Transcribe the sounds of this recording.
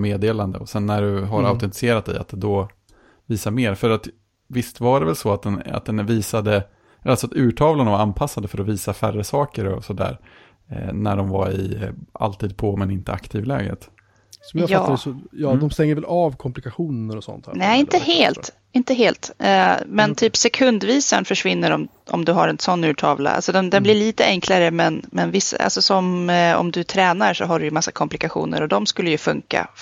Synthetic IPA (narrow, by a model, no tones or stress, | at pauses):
meːd̪eːland̪əɔsɛnːæɖɵɦaɾaʊt̪ɛnt̪ɪ̥sɪeːɾat̪̚d̪ɛ̰jat̪̚d̪ɛd̪ɔ | viːsameːɾfœɾat̪ | vɪst̪vaɾɛvɛlsɔat̪̚d̪ɛna̰t̪̚d̪ɛnviːsad̪ə | alsɔat̪ʉ̟ːʈʰɑːvlanavaɾanpʰasːand̪əfœɾɔviːsafærəsɑːkəɾɔ̰sɔd̪æ̰ːɾ | næɖɔmvaɾɪ̰a̰lt̪iːd̪̚pʰɔmɛnɪnt̪əa̰kt̪ʰiːvlɛ̰ːɡə̰t̪ | sɔmjatːt̪ːad̪əsɔjɑːd̪ɔmst̪ɛŋːəɾvɛlɑːvkʰɔmplɪkaɧuːnəɾɔsɔ̰nt̪nɛːɪnt̪əɦeːlt̪ | ɪnt̪əɦeːlt̪ːmɛnt̪ʰyːpsɛkʰɵnd̪viːsanfœʂvɪnːəɾɔm | ʔɔ̰md̪ɵɦaɾɛnsɔnːʉ̟ːʈʰɑːvla̰a̰lsɔd̪ɛnd̪ɛnblɪɭiːt̪əʔɛŋkʰlaɾəmɛnmɛnvɪsːa̰ʔa̰lsɔsɔmɔ̰md̪ɵt̪ʰɾɛːnaɾʂɔɦaɖɵjɵmasːakʰɔmplɪkaɧṵːnə̰ɾɔd̪ɔmskɵlːəjɵfɵŋka̰